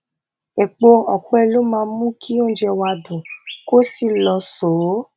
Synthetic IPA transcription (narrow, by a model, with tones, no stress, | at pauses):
e˨k͡po˧ɔ˨k͡pɛ˧lo˦mãː˧mũ˦kʰi˦o˦d͡ʒɛ˧wa˧dũ˨ko˦si˨lɔ˧so˨˦